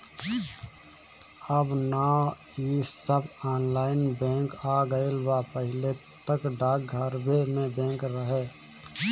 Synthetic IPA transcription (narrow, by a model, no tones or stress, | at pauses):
əbna | iːsəbaːnlaːɪnbɛ̃ːŋkaːɡəelbapəɦɪle | t̪əkɖaːk̚ɡʱəɾbemẽbɛ̃ːŋkɾəɦeː